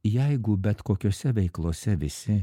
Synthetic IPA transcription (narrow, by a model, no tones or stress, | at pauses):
jɛɪɡʊbʲɛt̪koːkʲoːsʲɛʋʲɛɪklˠoːsʲɛʋʲɪsʲɪ